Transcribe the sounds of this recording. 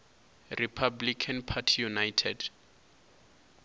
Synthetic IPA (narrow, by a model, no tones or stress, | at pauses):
ripʰablikʰanpʰatʰijunajtʰɛd